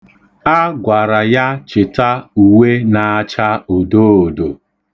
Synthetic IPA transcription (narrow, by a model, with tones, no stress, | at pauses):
a˦ɡʷa˨ɾa˨ja˦t͡ʃɪ˨ta˦u˨we˦na˨a˦t͡ʃa˦o˨do˦o˨do˨